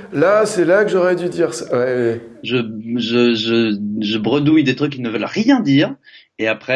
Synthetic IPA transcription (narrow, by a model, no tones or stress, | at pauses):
lasɛlakəʒɔʁɛd̪yd̪iʁsawɛwɛʒəʒəʒəʒəbʁəd̪ujd̪et̪χykʲːilnəvœlʁjɛ̃d̪iːʁ | eapχɛ